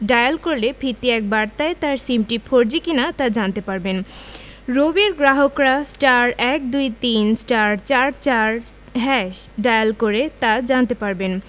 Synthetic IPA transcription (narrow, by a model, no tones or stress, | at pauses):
ɖajalkoɾlepʰit̪ːiɛk̚baɾt̪aet̪aɾsimʈipʰoɾd͡ʑikinat̪ad͡ʑant̪epaɾben | ɾobiɾɡɾaɦokɾasʈaɾɛk̚d̪ujt̪insʈaɾt͡ɕaɾt͡ɕaɾ | ɦɛʃɖajalkoɾet̪ad͡ʑant̪epaɾben